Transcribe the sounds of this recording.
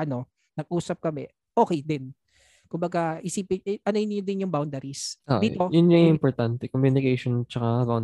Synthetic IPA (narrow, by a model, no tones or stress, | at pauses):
ʔɐno̞ | nɐɡ̚ʔuːsɐp̚kɐmɛ | ʔoːkɛjd̪ɪn | kʊmbɐɡaʔɪsiːpɪʔɐnoɪnɲod̪ɪnjʊŋbawnd̪ɐɾisʔo̰ʔd̪iːt̪ojʊnɲɐŋʔɪmpɔɹt̪ant̪ɛkomjunɪkejʃont͡ʃɐkabawn